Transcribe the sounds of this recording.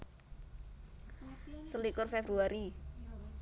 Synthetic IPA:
səlikʊrfɛbɾuaɾi

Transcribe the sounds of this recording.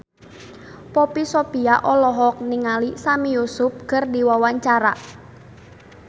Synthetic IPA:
pɔpisopiaʔɔlɔɦɔk̚niŋalisamijusʊp̚ɡ̥ərdiwawaɲt͡ʃaɾa

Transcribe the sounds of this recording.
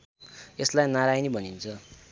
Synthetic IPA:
eslajnaɾajnibʱʌnint͡sʰʌ

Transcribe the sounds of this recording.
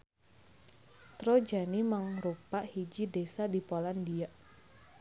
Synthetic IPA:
t̪ɾod͡ʒanimaŋɾupaʔhid͡ʒidesadipolandiaʔ

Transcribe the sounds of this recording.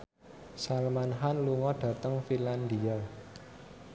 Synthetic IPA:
salmanɦanluŋɔɖ̥ä̤t̪əŋfiland̪ia

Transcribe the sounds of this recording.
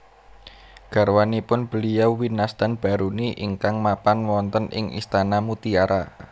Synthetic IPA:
ɡ̥a̤rwanipʊnb̥ə̤lijawwinasd̪̥anb̥a̤ɾuniʔiŋkaŋmapanwɔnt̪ənʔɪ̰ŋʔḭst̪anamut̪iaɾa

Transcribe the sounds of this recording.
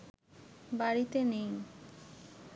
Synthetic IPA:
baɽit̪enej

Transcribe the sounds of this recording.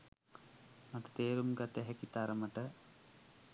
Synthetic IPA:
mɐʈːɐ̥t̪eːɾumɡɐt̪ːeɦɐkːit̪ːaːɾɐmɐʈːɐ

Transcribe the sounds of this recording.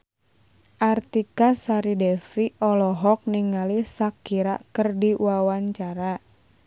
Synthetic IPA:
ʔart̪ikasaɾidɛfiɔlɔɦɔk̚niŋalisakiɾa̰kərdiwawaɲt͡ʃaɾa

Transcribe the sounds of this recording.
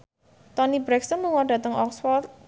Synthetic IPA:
t̪ɔnibɾɛksənluŋɔɖä̤t̪əŋʔɔkswɔ

